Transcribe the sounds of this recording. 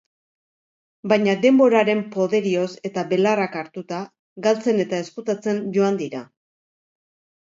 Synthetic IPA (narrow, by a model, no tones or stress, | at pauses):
bajɲad̪e̞mbo̞ɾaɾe̞mpo̞ðe̞ɾio̞se̞t̪aβe̞larakaɾt̪ut̪a | ɡalt͡se̞ne̞t̪ae̞skut̪at͡se̞nd͡ʒo̞and̪iɾa